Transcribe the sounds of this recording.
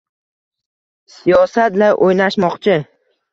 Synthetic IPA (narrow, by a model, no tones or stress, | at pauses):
sijɒsat̪laɾʔojnaʃmɒqt͡ʃʰɪ